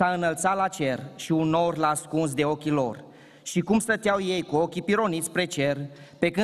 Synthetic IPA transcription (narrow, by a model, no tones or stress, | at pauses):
aɨnəlt̪sat̪lat͡ʃe̞rʃiuno̞rlaːskuns̬d̪e̞o̞kʲilo̞r | ʃikumst̪ət̪eawje̞jkuo̞kʲipiɾo̞nit̪sʲpɾe̞t͡ʃe̞r | pe̞kɨ